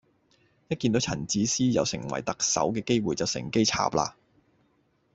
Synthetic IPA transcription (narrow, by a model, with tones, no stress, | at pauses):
jɐ˥t̚kːiː˧nt̪o˨˧˥t͡sʰɐ̰˨˩nt͡siː˨˥siː˥jɐ̰˨˧wsɪ˨˩ŋwɐ̰˨˩jt̪ɐ˨k̚sɐ̰˨˥wkɛː˧ke˥jwuː˨jt͡sɐ˨wsɪ̰˨˩ŋke˥jt͡sʰa̰ː˨p̚la̰ː˧